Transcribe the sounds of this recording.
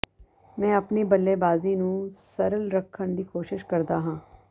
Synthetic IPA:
mɛ̃ːəpniːbəlːeːbaːziːnũːsəɾəlɾəkʰːəɳd̪iːkoːʃɪʃkəɾd̪aːɦãː

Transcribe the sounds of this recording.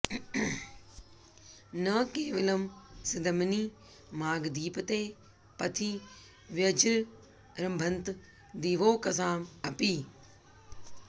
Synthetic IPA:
nɐkeːʋɪlɐmsɪd̪ʱɐmniː | maːɡd̪iːpt̪eː | pɐt̪ʰiː | ʋjɐd͡ʒɾ | ɾɐ̃mbʱə̃nt̪ | d̪iːʋoːkɐsaːmɐpiː

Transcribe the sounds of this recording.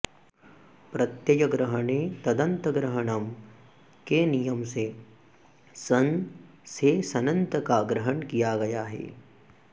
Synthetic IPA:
pɾɐt̪jɐd͡ʒɐɡɾɐɦəɳet̪ɐd̪ɐ̃nt̪əɡɾɐɦəɳɐm | kenijɐmse | sɐn | sesɐnɐ̃nt̪əkaɡɾɐɦəɳkijaɡɐjaːɦɛ̰ː

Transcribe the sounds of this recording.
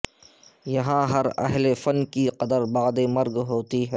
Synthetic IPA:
jɐɦãɦɐɾɐ̰ɦlefɐnkiqɐd̪əɾbaːd̪emɐɾɡɦoːt̪iɦɛː

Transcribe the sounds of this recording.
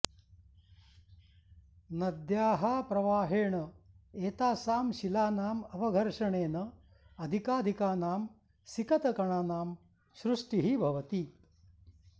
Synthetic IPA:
nɐd̪jaːɦaːpɾɐʋaːɦeːɳɐeːt̪aːsaːmʃilaːnaːmɐʋɐɡʱɐɾʂɐɳeːnɐ | ɐd̪ʱikaːd̪ʱikaːnaːm | sikɐt̪ɐkɐɳaːnaːm | ʃɾuʂʈiɦibʱɐʋɐt̪i

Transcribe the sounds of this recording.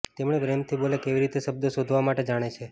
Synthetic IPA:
t̪emɳebɾemt̪ʰibolekeʋiɾit̪eʃəb̚d̪osod̪ʱʋamaʈed͡ʒaɽ̃et͡ʃʰe

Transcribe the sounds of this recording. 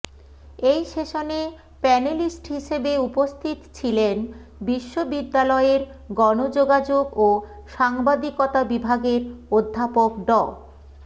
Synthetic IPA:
ejʃeʃone | pɛnelisʈɦiʃebeupost̪ʰit̪t͡ɕʰilen | biʃːobid̪ːalɔeɾɡɔnod͡ʑoɡad͡ʑoɡo | ʃaŋbad̪ikɔt̪abibʱaɡeɾod̪ʱːapok̚ɖɔ

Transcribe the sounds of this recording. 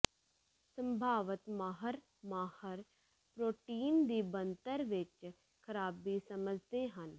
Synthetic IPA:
sə̃mbʱaːʋət̪maːɦəɾ | maːhəɾ | pɾoːʈiːnd̪iːbənt̪əɾʋɪt͡ʃ | kʰəɾaːbiːsəməd͡ʒʱt̪eːɦən

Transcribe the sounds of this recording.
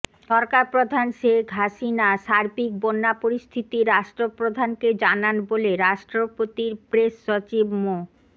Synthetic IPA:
ʃɔɾkaɾpɾod̪ʱanʃekɦaʃinaʃaɾbik̚bonːapoɾist̪ʰit̪iɾaʃʈɾopɾod̪ʱanked͡ʑananboleɾaʃʈɾopot̪iɾpɾeʃːot͡ɕibmo

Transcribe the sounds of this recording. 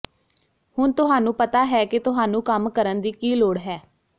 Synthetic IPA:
hʊnt̪ʊɦaːnũːpət̪aːɦɛːkɪt̪ʊɦaːnũːkəmkəɾənd̪iːkiːloːɽɦɛː

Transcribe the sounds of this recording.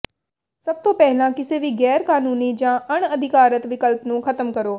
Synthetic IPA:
səb̚t̪õːpɛɦlãːkɪseʋiːɡɛːɾkaːnuːniːd͡ʒãːʔəɳ̃əd̪ʱɪkaːɾət̪ʋɪkəlpnũːkʰət̪əmkəɾoː

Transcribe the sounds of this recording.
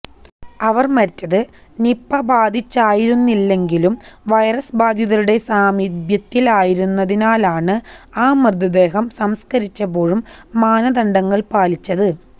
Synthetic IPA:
ɐʋɐrmɐɾtːɐðɨ | nipːɐbaːd̪ʱit͡ɕːaːjiɾunːilːe̞ŋɡilumʋɐjɐrɐsbaːd̪ʱjɐðɐɾuɽe̞saːmid̪jɐt̪ːilaːjiɾunːɐðinaːlaːɳɨaːmrɨd̪ɐd̪e̞ːɦɐmsɐmskɐɾit͡ɕːɐbo̞ːɻumːaːnɐd̪ɐɳɖɐŋːɐɭpaːlit͡ɕːɐðɨ

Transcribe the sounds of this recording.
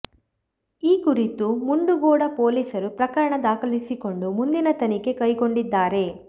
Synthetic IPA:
iːkuɾit̪umuɳɖuɡɔːɽɐpo̞ːliːsɐɾupɾɐkɐɾɐɳɐd̪aːkɐlisiko̞ɳɖumund̪inɐt̪ɐnike̞kɐjko̞ɳɖid̪ːaːɾe̞

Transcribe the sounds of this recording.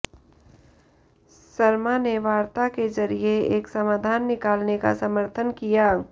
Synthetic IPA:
sɐɾmaneʋaːɾt̪aked͡ʒɐɾieeːksɐmaːd̪ʱaːnːɪkaːlneka̰sɐməɾt̪ʰənkijaː

